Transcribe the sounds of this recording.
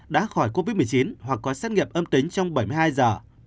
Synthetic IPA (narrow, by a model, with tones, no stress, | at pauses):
ɗa̰ː˧˥xɔ˧˩jko˧vi˦˥t̚m˨˩jt͡ɕi˨˦nhwa˨˩k̚ːɔ˨˦saː˦˥t̚ŋḭ˧˨əmʔəː˧mt̪i˨˦ŋ̟t͡ɕɔ˧wŋ͡mɓə˧˩jmɨ˧jhaː˧jzəː˨˩